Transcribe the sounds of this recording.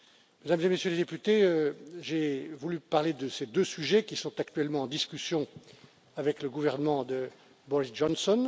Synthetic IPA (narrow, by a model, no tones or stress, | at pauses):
med̪amzemesjøled̪epyt̪eøʒevulypaʁled̪əsed̪øsyʒɛkʲisɔ̃t̪ak̚t̪ɥɛlmɑ̃ɑ̃d̪iskʲysjɔ̃ | avɛkləɡuvɛʁnəmɑ̃d̪ə | bɔʁisʒɔnsɔn